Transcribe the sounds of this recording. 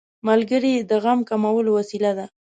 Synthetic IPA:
malɡəɾid̪əɣamkamawəlowasilad̪a

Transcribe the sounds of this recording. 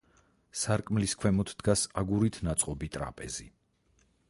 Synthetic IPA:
saɾkʼmliskʰwɛmɔt̪ʰd̪̥ɡasaɡuɾit̪ʰnat̪sʼqʼɔbit̪ʼɾa̰pʼɛzi

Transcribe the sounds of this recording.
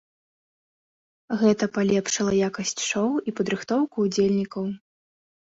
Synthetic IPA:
ɣɛt̪ɐpalʲɛpʂɨlˠɐjakɐsʲt͡sʲʂɔwipɐd̪ɾɨxt̪ɔwkuːd͡zʲelʲnʲikɐw

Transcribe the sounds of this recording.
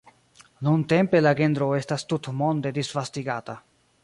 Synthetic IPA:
nunt̪empelaɡend̪ɾoest̪ast̪ut̪mond̪ed̪isfast̪iɡaːt̪a

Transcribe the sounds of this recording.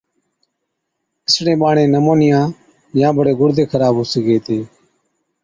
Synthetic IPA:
ɪsɽẽːɓaːɳẽːnəmoːnɪjãː | jãːbʱəɽeːɡʊɽd̪ʱeːkʰəɾaːbɦʊsiːɡeːt̪ʰeː

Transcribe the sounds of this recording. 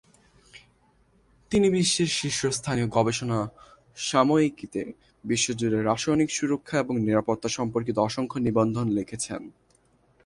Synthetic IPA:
t̪inibiʃːeɾʃiʃːost̪ʰanioɡɔbeʃona | ʃamoikit̪e | biʃːod͡ʑud̪eɾaʃojnikʃuɾokʰːaeboŋniɾapoɾt̪ːaʃɔmpoɾkit̪oɔʃoŋkʰonibond̪ʱonlekʰet͡ɕʰen

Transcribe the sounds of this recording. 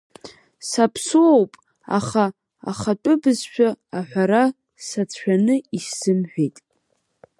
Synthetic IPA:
sapʰsuowpʼ | a̰χa̰ː | χatʷʼʊbɨzʃᶣaaħʷᶣaɾa | sat͡sʰħʷᶣanɨiʃsɨmħʷᶣejtʼ

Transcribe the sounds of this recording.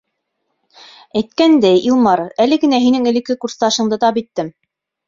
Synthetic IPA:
æjt̪̚kænd̪æjʔilˠmɑɾælɘɡɘ̆næɦinɘŋɘ̆lɘ̆kːɘkurst̪ɑʃɤ̆ɴd̪ɤt̪ɑpit̪ːɘm

